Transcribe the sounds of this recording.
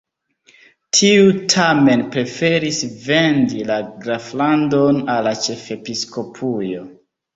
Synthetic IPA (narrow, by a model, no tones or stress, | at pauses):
tʰiutʰame̞npɾe̞fe̞ɾisve̞ndilaɡɾaflandonalːat͡ʃe̞fe̞pisko̞pʰujo̞